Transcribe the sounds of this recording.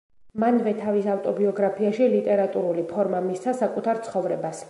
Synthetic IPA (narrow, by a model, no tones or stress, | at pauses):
manvɛt̪ʰavisavt̪ʼɔbiɔɡɾapʰiaʃilit̪ʼɛɾat̪ʼuɾulipʰɔɾmamist̪sʰasakʼut̪ʰaɾt̪sʰχɔvɾɛbas